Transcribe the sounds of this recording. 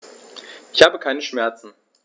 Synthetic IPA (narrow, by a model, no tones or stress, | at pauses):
ʔɪçhaːbəkʰaɪnəʃmɛɐt͡sn̩